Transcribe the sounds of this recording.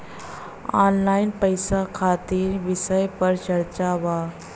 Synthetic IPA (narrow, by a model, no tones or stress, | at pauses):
ɔ̰nlainpəjsakʰat̪iːɾʋisəjpəɾt͡ɕəɾt͡ɕaʋa